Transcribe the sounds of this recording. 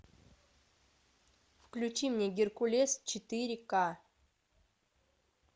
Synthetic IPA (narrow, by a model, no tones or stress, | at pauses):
fklʲʉt͡ɕimnʲeɡʲɪrkʊlʲest͡ɕɪt̪ɨɾʲka